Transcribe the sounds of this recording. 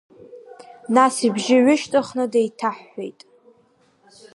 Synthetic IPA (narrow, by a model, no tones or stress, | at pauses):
nasibʒɪɥʷʊʃtʼɨχnɨdejtʰaħːḛjtʼ